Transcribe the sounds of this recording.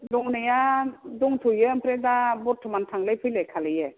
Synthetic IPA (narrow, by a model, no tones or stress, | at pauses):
dɔŋnajadɔŋtʰujɯmpʰɾedabɔtʰmantʰaŋlajpʰɯlekʰalɯje